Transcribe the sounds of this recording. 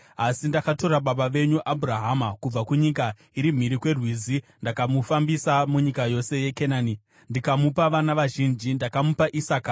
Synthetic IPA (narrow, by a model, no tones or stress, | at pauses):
asindakato̞ɾaɓaɓaʋe̞ɲuʔabʱuraɦamakub͡vakuɲik̬a | iɾim̤iɾikwe̞rwiːzindakamufambisamuɲikajo̞se̞je̞kenaːni | ndikamupaʋanaʋaʒind͡ʒindakamupaʔisaːka